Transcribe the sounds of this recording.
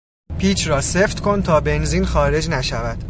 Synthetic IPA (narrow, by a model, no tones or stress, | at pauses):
pʰiːt͡ʃʰrɒːseft̪kʰont̪ʰɒːbe̞nziːnxɒːɾe̞d͡ʒnæʃævæd̪̥